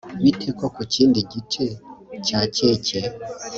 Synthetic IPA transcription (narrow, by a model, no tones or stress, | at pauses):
βitʰekokuciːndiɟit͡ʃecacece